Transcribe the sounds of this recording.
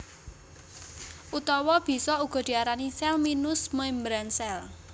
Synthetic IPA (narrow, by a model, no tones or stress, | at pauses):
ʔut̪ɔwɔb̥i̤sɔuɡ̥ɔ̤d̪̥i̤aɾanisɛlminʊsməjmbɾansɛl